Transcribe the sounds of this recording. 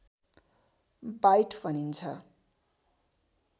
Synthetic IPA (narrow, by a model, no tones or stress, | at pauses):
bajʈpʰʌnint͡sʰʌ